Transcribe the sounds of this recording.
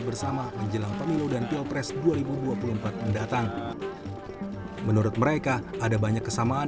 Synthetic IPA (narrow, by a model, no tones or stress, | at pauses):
bərsamaməɲd͡ʒəlaŋpəmiludant̪iopɾɛsduaɾibuduapuluəmpat̪̚məndat̪aŋ | mənuɾʊt̪̚məɾekaːdabaɲakːəsamaː